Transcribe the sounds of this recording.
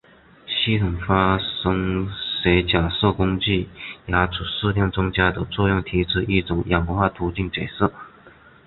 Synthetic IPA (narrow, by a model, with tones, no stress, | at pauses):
ɕi˥t̪ʰʊ˨˩ŋfa˥ʂɤ˥ŋʂe˧˥ɪt͡ɕja˨˩sɤ˥˩kʊ˥ŋt͡ɕi˥˩ja˧˥ʈ͡ʂʰu˨˩ʂɻ̩˥˧ljɑ˥˩ŋt͡sʊ˥ŋt͡ɕja˥d̪ə˨t͡swɔ˥˧jʊ˥˩ŋt̪ʰi˧˥ʈ͡ʂ̩ʰ˥ʔi˥˩ʈ͡ʂʊ˨˩˦ŋjɑ˨˩ŋm˧˥xwa˥˩t̪ʰu˧˥t͡ɕi˥˩ŋt͡ɕja˨˩ɪsɤ˥˩